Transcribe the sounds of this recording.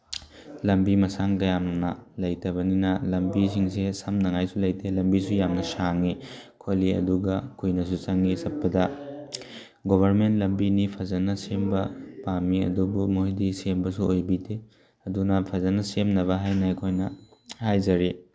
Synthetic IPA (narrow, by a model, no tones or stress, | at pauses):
lɐmbimɐsaŋkɐjamnɐlɐjtɐβɐninɐlɐmbis̬iŋsesɐmnɐŋajsulɐjtʰelɐmbisujamnɐsaŋikʰoliɐ̰duɡɐkʰujnɐs̬ut͡ʃɐŋisɐpːɐdɐ | ɡobʱɐɾmentlɐmbinipʰɐzɐnɐsembɐpamiɐ̰dubumoɦidisembɐsuojbitʰe | ɐdunɐpʰɐzɐnɐsemnɐβɐɦajnɐɐjkʰojnɐhajzɐɾi